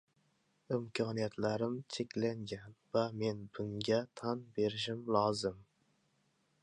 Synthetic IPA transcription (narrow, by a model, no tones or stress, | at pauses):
ɪmkʲʰɑnijɛt̪ʰlæɾɪmt͡ʃʰekʲlæŋɡʲɛnvæmenbuŋɡʲɛt̪ʰɑnbeɾɪʃɪmlˠɑzɨm